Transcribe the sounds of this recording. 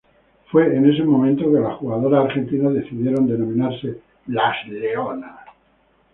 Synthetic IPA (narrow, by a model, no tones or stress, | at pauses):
fwe̞ːne̞s̬e̞mo̞mẽnt̪o̞ke̞laxuɣað̞o̞ɾaːɾxe̞nt̪inaðe̞θiðje̞ɾo̞nd̪e̞nõ̞mĩnaɾse̞ | lasleona